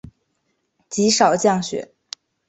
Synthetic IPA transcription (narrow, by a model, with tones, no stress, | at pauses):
t͡ɕi˧˥ʂɑ˨˩ʊt͡ɕjɑ˥˩ŋɕɥɛ̰˨˧˥